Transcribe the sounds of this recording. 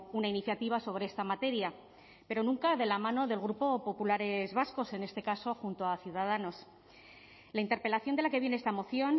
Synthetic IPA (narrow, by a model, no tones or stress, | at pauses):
unainiθjat̪iβ̞aso̞β̞ɾe̞est̪amat̪e̞ɾja | pe̞ɾo̞nũŋkaðe̞lamãno̞ðe̞lɣɾupo̞po̞pulaɾe̞zβasko̞se̞ne̞st̪e̞kaso̞xunt̪o̞aθjuðað̞ano̞s | laint̪eɾpe̞laθjo̞nd̪e̞lake̞βje̞neest̪amo̞θjo̞n